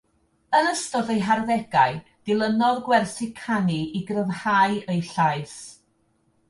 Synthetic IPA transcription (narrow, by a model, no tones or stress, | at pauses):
ənəstɔðejɦarðɛɡ̥aɨd̥ɪlˠənɔðɡwɛrθɪkʰaniʔiɡrəvhaɨejɬaɨs